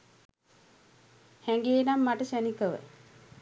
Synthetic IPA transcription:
hæŋɡeːnamːaʈəʃænikəʋə̰

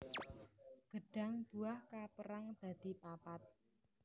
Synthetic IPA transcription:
ɡ̥əɖ̥a̤ŋb̥uahkapəɾaŋd̪̥ä̤d̪̥i̤papat̪̚

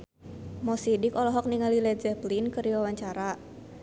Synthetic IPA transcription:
mɔsidikɔlɔɦɔk̚niŋalilɛd͡ʒɛplinkərdiwawaɲt͡ʃaɾa

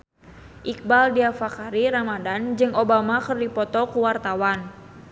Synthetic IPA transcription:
ʔik̚baldiafakaɾiɾamadand͡ʒɨŋobamakɨrdipɔt̪ɔkuwart̪awan

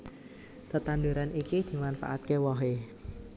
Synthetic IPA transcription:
t̪ət̪and̪uɾanikid̪̥i̤manfa̰ʔa̰t̪̚kewɔɦe

